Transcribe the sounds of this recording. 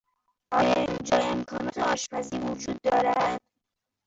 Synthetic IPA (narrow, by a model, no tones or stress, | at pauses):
ʔɒːjɒind͡ʒɒːemkʰɒːnɒːt̪ʰeɒːʃpʰæziːɾvod͡ʒuːd̪ːɒːɾæd̪̥